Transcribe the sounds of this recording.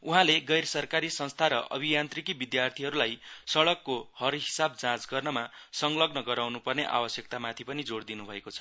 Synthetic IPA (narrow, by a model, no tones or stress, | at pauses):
uɦãleɡʌjrsʌrkaɾisʌ̃nst̪ʰaɾʌʔʌ̰bʱijant̪rikibid̪jart̪ʰiɦʌɾulajsʌɽʌkːohʌrɦisabd͡zãt͡sɡʌrnʌmasʌŋlʌɡnʌɡʌɾawnupʌrneʔa̰bʌsjʌk̚t̪amat̪ʰipʌnid͡zoɽd̪inubʱʌekot͡sʰʌ̥